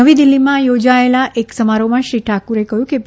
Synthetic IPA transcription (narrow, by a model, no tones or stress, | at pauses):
əʋid̪ilːimãjod͡ʒaelaʔeksəmaɾomãʃɾiʈʰakuɾekəɦjũke